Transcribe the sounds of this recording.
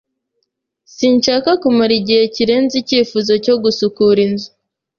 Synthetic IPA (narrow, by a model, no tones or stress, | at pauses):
sinʃakakumaɾiɟihe̞ciɾe̞ːnziciːfuzo̞co̞ɡusukuɾinzu